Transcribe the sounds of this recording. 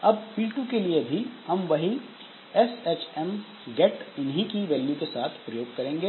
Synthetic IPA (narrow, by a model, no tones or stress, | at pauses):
ɐbfiːlʈũkeliebʱihɐmʋɐɦi | ɛsɛːt͡ʃɛm | ɡɛːʈʊnɦĩkiʋɛːlːũkesaːt̪ʰpɾɐjoːɡ̚kɐɾẽːŋɡeː